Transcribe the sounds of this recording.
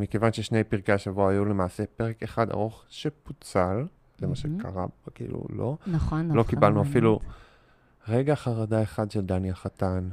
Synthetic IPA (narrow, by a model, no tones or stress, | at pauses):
mike̞vanʃeʃnejpiʁkaaʃavuaajulemaːse̞pe̞ʁe̞keχad̪a̰ʁo̞χʃe̞put͡sal | zemaʃekʰa̰ʁa̰bkḭːlṵlo̞χnlo̞kibalnuafilu | ʁe̞ɡaχaʁadae̞χadʃeld̪anjaχat̪an